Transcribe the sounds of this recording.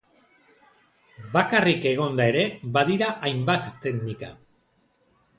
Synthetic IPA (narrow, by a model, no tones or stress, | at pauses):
bakarike̞ɣ̞o̞nd̪ae̞ɾe̞baðiɾaʔajmbat̪ːe̞knika̰